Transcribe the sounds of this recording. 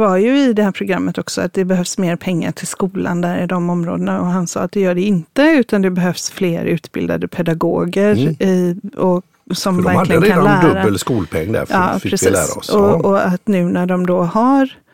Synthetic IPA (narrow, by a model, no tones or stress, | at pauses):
vaɾjɵɪd̪ɛhæːɾpʰɾʊɡɾamːət̪ɔksɔat̪̚d̪ɛbɛɦœvsmeːɾpʰɛŋːa̰ʈʰɪlskuːla̰nd̪æːɾɪd̪ɔmɔmɾo̰ːd̪ənaɔɦansɑ̰ːat̪̚d̪ɛjœːɖɛɪnt̪əʉ̟ːt̪and̪ɛbɛɦœvsfleːɾʉ̟ːt̪bɪ̰ld̪a̰d̪əpʰɛd̪aɡo̰ːɡəɾɪɔ | sɔmvæɾlɪɡəkːəlæːd̪ɵɾbaːəlskuːlpʰɛ̰ŋːd̪æ̰ɾfɑːɪɾɛsiːlːsɾa̰ɔɔɔat̪nʉ̟ːnæɖɔmd̪ɔhaɾ